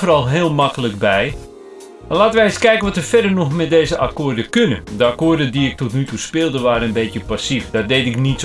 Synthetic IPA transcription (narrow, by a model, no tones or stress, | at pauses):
fərɔlˠɦɪːlˠmakələkbɛj | laːtənʋɛɪskɛjkənʋɔtərfɛdərnɔxmɛt̚deːzəʔakoːrdəkønədəakoːrdədiɪk̚tɔtnytuspɪːlˠdəʋaːɾənənbeːtjəpasifdɔt̚deːtɪknit